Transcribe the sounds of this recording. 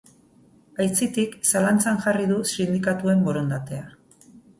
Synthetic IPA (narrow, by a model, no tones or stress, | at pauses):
ajt͡sit̪iksalant͡sanʝariðusind̪ikat̪ue̞mboɾond̪at̪e̞a